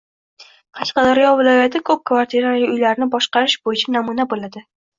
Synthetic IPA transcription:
qʰɑʃqɑd̪aɾjɒvɪlɒjat̪ʰɪkʰɵp̚kʰvaɾt̪ʰiɾalɪʊjlaɾɪnɪbɒʃqɑɾɪʃb̥ojɪt͡ʃʰanamunabolad̪ɪ

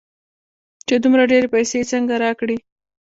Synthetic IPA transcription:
t͡ʃed̪umɾaɖeɾepajset͡səŋɡaɾɑkɽi

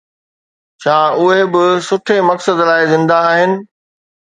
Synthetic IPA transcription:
t͡ɕʰaːʊɦebɪsʊʈʰemɐksəd̪laːɪzɪ̃nd̪aaːɦɪnɪ̆

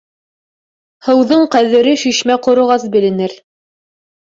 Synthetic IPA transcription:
hɤ̆wðoɴqæðɘ̆ɾɘʃiʃmæqŏɾŏʁɑs̬bɘ̆lɘ̆nɘɾ

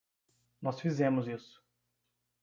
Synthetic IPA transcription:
nɔsfizẽmʊzisʊ̥

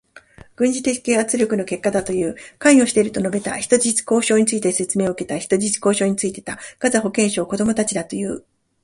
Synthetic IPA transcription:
ɡ̥ɯ̟̃ɲ̟d͡ʑit̪e̞̥ke̞ːat͡sɨɾʲjo̞kɯ̟no̞ke̞kːad̪at̪o̞jɯ̟ːkãɰ̃o̞ɕi̥t̪e̞ɾɯ̟t̪o̞no̞be̞t̪a̰çi̥t̪o̞ʑit͡ɕi̥ko̞ːɕo̞ːɲ̟it͡sɨit̪ese̞t͡sɨme̞ːoɯke̞t̪açi̥t̪o̞ʑit͡ɕi̥ko̞ːɕo̞ːɲ̟it͡sɨit̪e̞̥t̪aɡ̥azaɦo̞kẽ̞ɰ̃ɕo̞ːko̞d̪o̞mo̞t̪at͡ɕid̪at̪o̞jɯ̟ː

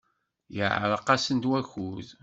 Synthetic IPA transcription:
jə̰ʕɾˤəqːɑsənd̪wæçuð

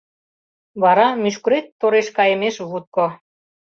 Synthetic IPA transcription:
βɑɾɑmyʃ̬kɾet̪ːoɾeʃkɑjə̆meʃβut̪̚ko

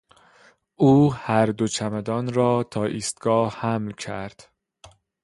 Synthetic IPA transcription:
ʔuːhæɾd̪ot͡ʃʰæmæd̪ɒːnɾɒːt̪ʰɒːʔiːst̪ɡ̥ɒːhæmlcʰæɾd̪̥

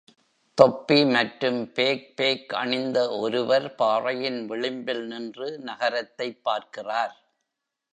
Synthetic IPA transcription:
t̪ɔpːimɐʈɾɯmpeːk̚peːkɐ̰ɳɪnd̪ɐɔɾɯʋɐɾpaːrɐjɪnʋɪɭɪmbɪlnɪndrɯnɐɣɐɾɐt̪ːɐɪpːaːɾkɪraːɾ

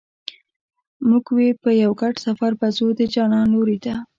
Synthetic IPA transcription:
muɡwepəjawɡaʈsafaɾbazod̪əd͡ʒɑnɑnoɾid̪a

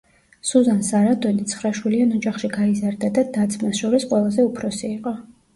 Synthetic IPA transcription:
suzansaɾad̪ɔnit̪sʰχɾaʃwilianɔd͡ʒaχʃiɡaizaɾd̪ad̪ad̪at̪sʰmasʃɔɾisqʼwɛlˠazɛupʰɾɔsiːqʼɔ

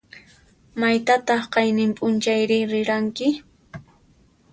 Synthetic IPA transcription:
majt̪at̪ɑχqɑjnɪmpʼʊnt͡ʃajɾɪɾɪɾaŋkɪ

